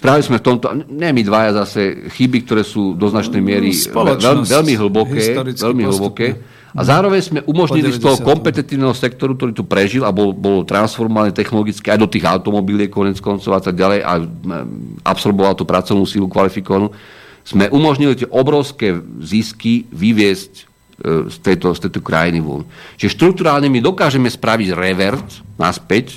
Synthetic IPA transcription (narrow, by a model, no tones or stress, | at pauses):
spɾaʋilizmɛft̪ɔmt̪ɔaɲɛɛmid̪ʋajazasɛxibik̚t̪ɔɾɛːsuːd̪ɔznat͡ʃnɛjmɪɛɾiɛlʋɛʎmiɦl̩bɔkɛːʋɛʎmiɦl̩bɔkɛː | azaːɾɔʋɛɲzmɛʔumɔʒɲilist̪ɔɦɔkɔmpɛt̪ɛt̪iːʊnɛːɦɔsɛk̚t̪ɔɾuk̚t̪ɔɾiːt̪upɾɛʒilabɔlbɔlɔt̪ɾansfɔɾmɔʋaɲɛt̪ɛxnɔlɔɡit͡skɛajd̪ɔt̪iːɣa̰ʊt̪ɔmɔbilɪɛkɔɲɛt͡skɔnt͡sɔʊat̪aɡ̚ɟalɛjʔa̰ | ʔa̰psɔɾbɔʋalt̪uːpɾat͡sɔʊnuːsilukʋalifikɔʋanuː | z̥mɛʔumɔʒɲilit̪ɪɛʔɔbɾɔʊskɛːziskiʋiʋɪɛsc | st̪ɛjt̪ɔst̪ɛjt̪ɔkɾa̰jiniʋɔ̰mt͡ʃt͡ʃʒɛʃt̪ɾuk̚t̪uɾaːlɲɛmid̪ɔkaːʒɛmɛspɾaʋiɟɾɛʋɛɾt̪na̰spɛc